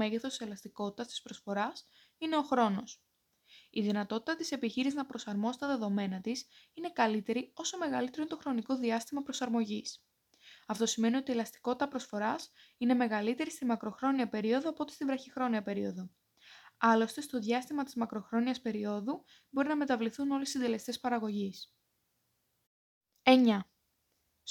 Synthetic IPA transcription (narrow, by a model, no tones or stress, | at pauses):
e̞ɣeθo̞selɐst̪iko̞t̪i̥t̪ɐst̪i̥spɾo̞sfo̞ɾɐs | ine̞o̞xɾo̞no̞s | iðinɐt̪o̞t̪i̥t̪ɐt̪i̥se̞piçiɾiznɐpɾo̞sɐɾmo̞si̥t̪ɐðe̞ðo̞me̞nɐt̪isine̞kɐlit̪e̞ɾio̞so̞me̞ɣɐlit̪e̞ɾoint̪o̞xɾo̞niko̞ðiɐst̪imɐpɾo̞sɐɾmo̞ʝis | ɐft̪o̞sime̞nio̞t̪ielɐst̪i̥ko̞t̪i̥t̪ɐpɾo̞sfo̞ɾɐsine̞me̞ɣɐlit̪e̞ɾist̪imɐkɾo̞xɾo̞niɐpe̞ɾio̞ðo̞ɐpo̞t̪est̪ivɾɐçixɾo̞niɐpe̞ɾio̞ðo̞ | ɐlo̞st̪e̞st̪o̞ðʝɐst̪imɐt̪izmɐkɾo̞xɾo̞niɐspe̞ɾio̞ðu | bo̞ɾinɐme̞t̪ɐvliθuno̞lissind̪e̞lest̪e̞spɐɾɐɣo̞ʝis | e̞ɲɐ